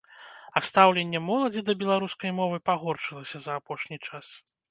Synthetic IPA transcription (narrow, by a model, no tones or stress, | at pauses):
ɐst̪awlʲenʲːɛmɔlˠɐd͡zʲid̪ɐbʲɛlˠaɾuskɐjmɔvɨpaɣɔrt͡ʂɨlˠɐsʲɐzɐːpɔʂnʲit͡ʂas